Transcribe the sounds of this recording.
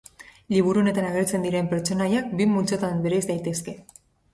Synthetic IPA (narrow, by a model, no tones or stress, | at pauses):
liβ̞uɾune̞t̪anaɣeɾt͡se̞nd̪iɾe̞mpeɾt͡ʃo̞najak̚bimult͡ʃot̪anbeɾezd̪ajt̪e̞ske̞